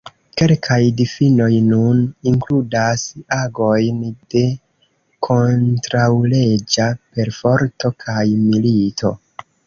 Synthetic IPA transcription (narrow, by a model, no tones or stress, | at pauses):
ke̞lkʰajdifino̞jnuniŋkludasaɡo̞jnd̥e̞ | kʰo̞ntɾawle̞d͡ʒape̞ɾfo̞ɾto̞kʰajmilitʰo̞̰